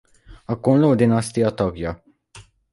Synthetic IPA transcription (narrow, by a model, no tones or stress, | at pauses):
ɐkːuːnlowd̪ɪnɐst̪ijɐt̪ɔɡjɐ